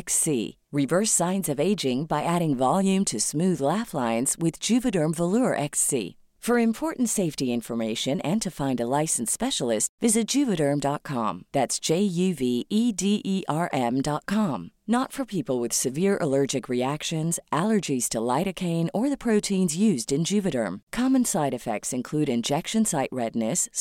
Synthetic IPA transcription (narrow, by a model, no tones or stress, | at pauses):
ksḭ | ɹɨvɜ˞sãɪ̃nzʌveɪd͡ʒɪ̃ŋbaɪʔæɾɪ̃ŋvɑlˠjʉ̃mtʰɨsmʉðlæflãɪ̃nz̥wɪðd͡ʒʉvɨɾə̃˞ɱvəluəʔɛksḭ | fə˞ɨ̃mpʰɔɹʔn̩tseɪftiɪ̃ɱfə˞meɪʃɨ̃nɨ̃ntʰɨfãɪ̃ndəlaɪsn̩spɛʃl̩ˠɪstvɪzɨt̚d̥ʒ̥ʉvɨɾə̃˞mdɑt̚kʰɑ̰̃mðætsd̥ʒ̥eɪjʉviidiʔiʔɑɹʔɛ̃mdɑt̚kʰɑ̃mnətfə˞pʰipl̩ˠwɨð̥sɨvɪɹʔə̰lɜ˞d͡ʒɨkɹiækʃɨ̃nzʔælˠə˞d͡ʒiz̥tʰəlaɪɾɨkʰẽɪ̃nə˞ðɨpʰɹ̥oʊtʰĩnzjʉzdɨ̃nd͡ʒʉvɨɾə̰̃˞mkʰɑmɨ̃nsaɪɾɨfɛ̰k̚tsɨ̃nkʰl̥ʉɾɨ̃nd͡ʒɛkʃɨ̃nsaɪʔɹɛdⁿnɨs